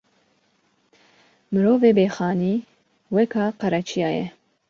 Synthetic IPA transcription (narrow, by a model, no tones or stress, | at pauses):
mɨɾoːveːbeːxɑːniː | wɛkʰɑːqɑɾɛt͡ʃʰijɑːjɛ̰